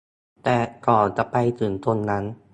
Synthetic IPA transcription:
t̪ɛː˨˩kɔː˨˩nt͡ɕa˨˩ʔpa˧jt̪ɯː˨˩nt̪o˧nːa˦˥n

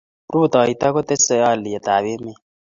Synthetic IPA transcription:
ɾu˦˨t̪a˨i˨t̪a˦ko˦t̪ɛ˦sɛ˨ja˦˨li˨ɛ˨ta˨βe˦me˦

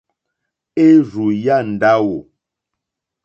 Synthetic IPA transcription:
e˦ɾu˨ja˦˨n̩˨da˦wo˨

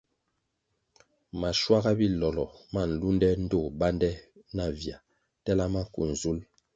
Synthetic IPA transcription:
ma˨ʃwa˦ɣa˦bi˦lɔ˨lɔ˨ma˦˨n̩˨lu˦ndɛ˦n̩˦do˦˨ba˦ndɛ˦na˦˨vja˨ | tɛ˦la˦ma˦kṵ˨n̩˨zu˦l

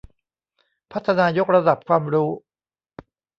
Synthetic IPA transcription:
pʰa˦˥t̪ʰːa˧naː˧jo˦˥k̚ɾa˧da˨˩p̚kʰwaː˧mɾuː˦˥

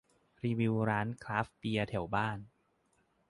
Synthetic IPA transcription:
ɾiː˧wi˧wɾaː˦˥nkʰɾaː˦˥fpi˧ɐt̪ʰɛ˩˦wbaː˥˩n

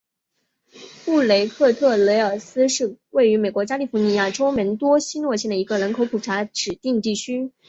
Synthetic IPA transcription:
pu˥˩le˧˥ɪkʰɤ˥˧t̪ʰɤ˥˩le˧˥ɪə˞˨˩sɹ̩˥ʂɻ̩˥˧we˥˩ɪy˧˥me˨˩kwɔ˧˥t͡ɕja˥li˥˩fu˧˥ni˧˥ja˥˩ʈ͡ʂo˥ʊmə˧˥nt̪wɔ˥ɕi˥nwɔ˥˧ɕ̬jɛ˥˩nd̪ə˩i˧˥ɡə˧ɻə˧˥nkʰo˧˥ʊkʰu˨˩ʈ͡ʂʰa˧˥ʈ͡ʂɻ̩˨˩t̪i˥˧ŋt̪i˥˩t͡ɕʰy˥

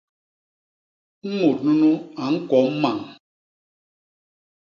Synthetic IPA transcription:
m̩˦mo˨t̚nu˦nu˦a˨ŋ̩˦kɔ˨˦m̩˦ma˨ŋ

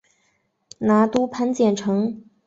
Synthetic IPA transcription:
na˧˥t̪u˥pʰa˧˥nt͡ɕjɛ˨˩nʈ͡ʂʰɤ˧˥ŋ

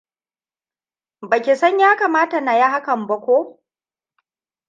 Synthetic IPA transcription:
ba˨kʲi˨sɐ˦ɲjaː˦kaː˨maː˦ta˨na˨ja˦ɦa˦kɐ˨mbɐ˦kʷoː˦

